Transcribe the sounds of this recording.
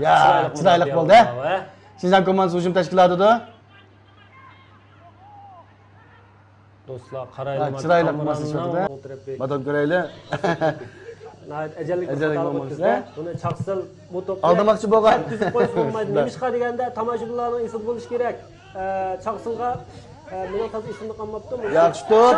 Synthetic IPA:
jɛt͡ʃʰɨɾɑjlˠəqbolˠd̪ɨ | ʃind͡ʒɑnkomɑnshuʒumt̪ʰɛʃ̬kʲilˠɑːt̪ɨd̪ʊ | d̪̥oslˠɑqʰɑɾjʰiɾɑjlˠəqmɑslˠɪʃod̪ɨt̪ɾɨmɑt̪ʰonkʲøɾɛjlɪ | nɑt̪ɛd͡ʒɛlːɪkɛd͡ʒɛlːkomɑnɛunɨt͡ʃʰɑʁsɨl | but̪op̚ɑlˠdd̪ɨmɑqt͡ʃʰiboʁɑn̚ʲʰyzqʰːopbolˠmɑjd̪ɨʃqɑd̪eɡʲɛnd̪ɛt̪ʰɑmɑʃublˠɑɾnɨŋesɨlɨbolˠuʃi̥kʲeɾɛkʲ | t͡ʃʰɑʁsɨlˠʁɑ | munɨt̪ʰɑziʃsɪmd̪qʰɑlˠmːɑp̚t̪umujɑχʃi̥t̪ʊ

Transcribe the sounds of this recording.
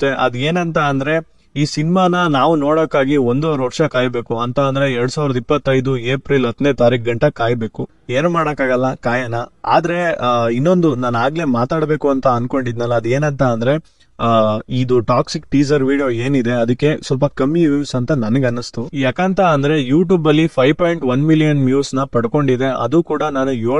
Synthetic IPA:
t̪ːeʔɐd̪ueːnɐnt̪ɐːnd̪ɾe̞ | iːsinimaːnɐnaːʋuno̞ːɽoːkːaːɡio̞nd̪oɾʋɐɾʂɐkaːjbe̞ːkuɐnt̪ɐːnd̪ɐɾe̞ɛɾɽusaːʋiɾɐd̪ɐipːɐt̪ːɐjd̪ueːpɾilɐd̪neːt̪aːɾik̚ɡɐɳʈɐkaːjbe̞ːku | eːɾumaːɽɐkːaːɡɐlːɐkaːjɐnɐa̰ːd̪ɐɾe̞inːo̞nd̪unaːnaːɡle̞ːmaːt̪aːɽbe̞ːkuɐnt̪ɐɐnko̞ɳɖid̪nɐlːɐːd̪ue̞ːnɐnt̪ɐːnd̪ɐɾe̞ | id̪uʈaːksik̚ʈiːsɐɾʋiːɖijo̞ːeːnid̪e̞ɐd̪ɐkːe̞sɐlpɐkɐmjuuːsɐnt̪ɐnɐnɐɡɐnːɐst̪ujaːkaːnt̪ɐɐnd̪ɐɾe̞juːʈ̬juːbɐlːipʰɐjʋpoːjɳʈʋɐnmilijɐnmjuːsnɐpɐɽko̞ɳɖid̪e̞ʔɐ̰d̪ukuːɽɐnaːnujoː

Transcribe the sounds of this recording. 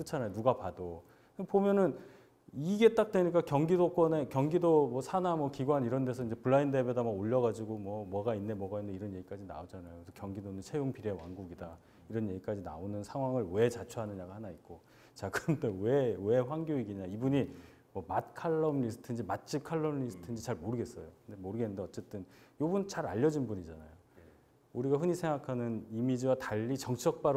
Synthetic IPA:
kɯt͡ɕʰanajonuɡapado | pomjʌnɯn | iɡe̞t͈ak̚t͈weɲik̬͈akjʌŋɡidok͈wʌne̞kjʌŋɡidomwʌsʰanamwʌkiɡwaniɾʌnde̞sʰʌind͡ʑepuɭːainde̞bjodamaɡoʎːʌɣad͡ʑiɡomwʌmwʌɡainːe̞mwʌɡainːeiɾʌnje̞ɡik͈ad͡ʑina̰od͡ʑanajosʰʌkjʌŋɡidonɯnt͡ɕʰejoŋpiɾewanɡuɡida | iɾʌnje̞ɡik͈ad͡ʑina̰onɯnsʰaŋɦwaŋɯɭwe̞t͡ɕat͡ɕʰuɦanɯɲaɡahanait̚k͈o | t͡ɕakɯɾʌnde̞we̞we̞ɸwaŋɡjoiɡiɲaibuɲi | mʌmat̚kʰaɭːʌmlis̬͈ʰɯ̥tʰɯnd͡ʑimat̚t͡ɕ͈ʰip̚kʰaɭːʌmlis͈ʰɯ̥tʰɯnd͡ʑit͡ɕaɭmoɾɯɡe̞s͈ʌjokɯndemoɾɯɡenɯndeʌt͡ɕ͈e̞t͈ɯnjobunt͡ɕaɾa̰ʎːʌd͡ʑinbuɲid͡ʑana̰jo | uɾiɡaɸɯɲisʰe̞ŋɡakʰanɯnimid͡ʑiwataʎːit͡ɕʌŋt͡ɕʰʌk̚p͈aɾ

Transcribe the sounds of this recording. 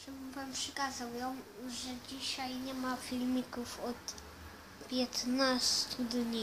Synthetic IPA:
ʂɛmuvampʂɛkazawjɔ̃w̃ʐɛd͡ʑiɕajɲɛmafʲilmʲikufɔt̪ | pʲjɛt̪nast̪ʰud̪ɲi

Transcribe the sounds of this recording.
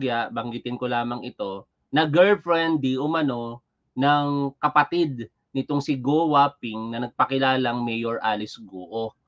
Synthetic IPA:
ɡaʔbɐŋɡɪt̪ɪnkolaːmɐŋɪt̪o̞ | nɐɡɛlfɹɛnd̪iʔʊmɐno̞ | nɐŋkɐpɐt̪ɪd̪̚ | nɪt̪o̞ŋsɪɡowapɪŋnɐnɐɡ̚pɐkɪlaːlɐŋmɛjoɹʔaːlɪsɡoːʔo

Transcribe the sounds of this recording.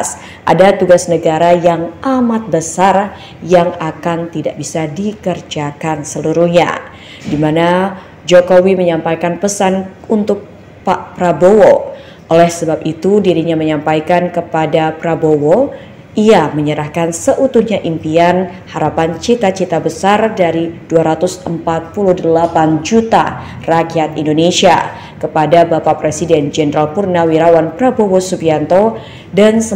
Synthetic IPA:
s | ʔa̰dat̪uɡasnəɡaɾajaŋamat̪̚bəsar | jaŋakant̪idaʔbisadikərd͡ʒakansəluɾuhɲa̰ | dimana | d͡ʒokowiməɲampajkanpəsanunt̪ʊk̚ | papɾabowo | ʔolɛhsəbap̚it̪udiɾiɲaməɲampajkankəpadapɾabowo | ʔiaməɲəɾahkansəʔut̪uhɲaʔimpianhaɾapant͡ʃit̪at͡ʃit̪abəsardaɾiduaɾat̪usəmpat̪̚puluhdəlapand͡ʒut̪a̰ | rakiat̪indonesia | kəpadabapapɾesidɛnd͡ʒɛnɾalpurnawiɾawanpɾabowosupiant̪o | dansə

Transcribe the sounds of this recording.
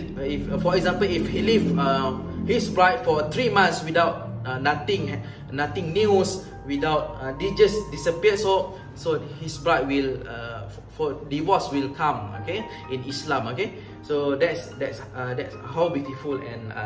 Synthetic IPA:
iffɔɛkzãmpəlifhilivahispɹaɪtfɔt̪ɹimãnswidawt̚anat̪ĩŋ | nat̪ĩŋnus | widawt̚ədid͡ʒəsdisəpiəso | sohispɹaɪt̚wila̰ | fɔdivɔswilkʰãmo̰ke | ĩnislãmoke | sodɛtsdɛtsadɛtshawbitifulɛ̰̃n̰

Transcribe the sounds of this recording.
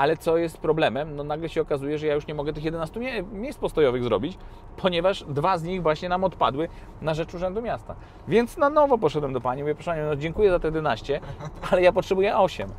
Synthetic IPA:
ʔalɛt̪sɔjɛst̪pɾɔblɛmɛmnɔnaɡlɛɕɛɔkazujɛʐɛjajuʂɲɛmɔɡɛt̪ɘxjɛd̪ɛnast̪umʲɛmʲjejspɔst̪ɔjɔvɘɣzɾɔbʲit͡ɕ | pʰɔɲɛvaʐd̪vazɲiɣvwaɕɲɛnamɔt̪pa̰d̪wɘ | naʐɛt͡ʂuʐɛnd̪umʲjast̪a̰ | vʲjɛnt̪snanɔvɔpɔʂ̬ɛd̪wɛmd̪ɔpaɲimuvʲjɛpɾɔʂpaɲɛnɔd͡ʑɛŋkujɛzat̪ɛjɛd̪ɛnaɕt͡ɕɛalɛjapɔtʂɛbujɛʔɔɕɛm

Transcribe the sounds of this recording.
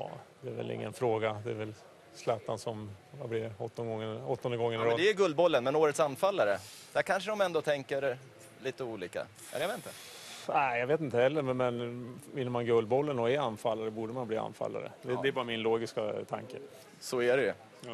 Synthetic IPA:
ɑ̰ːd̪̥ɛæɾvɛ̰lɪ̰ŋːə̰nfɾoːɡad̪ɛːɾvɛl | slæt̪ːansɔmvablɪɾɔt̪ːɔnɡɔŋːəɔt̪ːɔnd̪əɡɔŋːəɾd̪ɛæɾɡɵld̪bɔlːənmɛnoːɾət̪sanfalːaɾəd̪̥æɾkʰanʂ̬əd̪ɔmɛnd̪oːt̪ʰɛŋkəɾ | liːt̪əuːliːka̰ | ɛ̰javet̪nt̪ə | næɪjɑɡveːt̪ɪnt̪əhɛlːəɾmɛnɪnːɔmanɡɵld̪̚bɔlːənɔɛanːfalːaɾɔbuːɖəmanbliːa̰nːfa̰lːa̰ɾə̰d̪ɛd̪ɛɾbɑːɾamɪnloːɡɪskat̪ʰa̰ŋkə | sɔæɖɛjɵ

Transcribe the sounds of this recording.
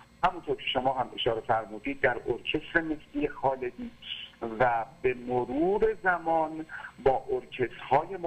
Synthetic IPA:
hæmunt̪ʰoɾcʰe̞ʃomɒːɦæmʔe̞ʃɒːɾe̞fæɾmuːd̪iːd̪̚ːæɾoɾcʰe̞sɾemest̪iːjexɒːle̞d̪iːvæbe̞moɾuːɾe̞zæmɒːnbɒːʔoɾcʰe̞st̪hɒːjem

